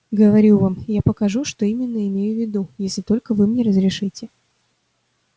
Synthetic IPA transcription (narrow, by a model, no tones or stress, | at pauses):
ɡəvɐɾʲuvamjapəkɐʐuʂt̪oimʲɪnːəɪmʲejʊvʲːɪd̪ujesʲlʲɪt̪o̞lʲkəvɨmnʲeɾəzɾʲɪʂɨtʲɪ